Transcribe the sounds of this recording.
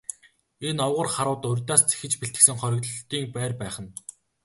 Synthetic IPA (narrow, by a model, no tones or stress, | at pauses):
enɔwʁə̆rχaɾʊːt̪ʊrʲt̪aːst͡sʰe̥xɘ̆t͡ɕpeɬt̪ɘ̆ksɘ̆ŋχɔɾʲɪ̆kt̪ɮt̪iːŋpæːrpæːχə̆n